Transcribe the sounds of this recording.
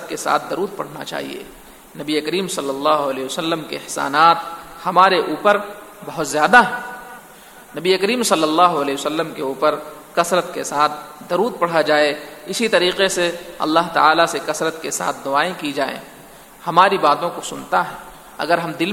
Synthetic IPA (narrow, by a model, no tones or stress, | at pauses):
t̪kesa̰ːt̪̚ʰd̪ɐɾuːd̪̚pɐ̰ɽ̤na̰t͡ʃa̰ːɦḭḛː | nɐbiekəɾiːmsɐlːəlːaːɦʊɐlɛːsəlːəmkḛɪhsa̰ːnaːt̪hɐmaːɾeʔuːpəɾbɐɦʊt̪zjaːd̪aɦɛ̃ | nɐbiekəɾiːmsɐlːəlːaːɦoɐlɛːsəlːəmkeuːpəɾkɐsɾət̪kesaːt̪̚ʰd̪ɐɾuːd̪̚pɐɽ̤ad͡ʒaːeɪsit̪ɐɾiːqeseɐ̰lːaɦt̪a̰aːlasekɐsɾət̪kesa̰ːt̪̚ʰd̪ʊaːẽkid͡ʒaːḛ̃ː | hɐmaːɾibaːt̪õkosʊnt̪aɦɛː | ɐ̰ɡəɾɦɐmd̪ɪl